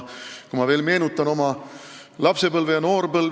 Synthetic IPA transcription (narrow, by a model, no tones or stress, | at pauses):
kumɑve̞ːlme̞ːnut̪ːˑɑno̞mɑ | lɑpse̞pɤlvejɑno̞ːrpɤlv